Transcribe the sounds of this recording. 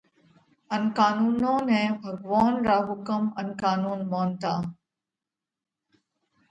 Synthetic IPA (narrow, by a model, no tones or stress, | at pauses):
ənkaːnuːnõːnɛ̃ːbʱɐɡʋaːnɾaːɦʊkəmənkaːnuːnmoːnt̪aː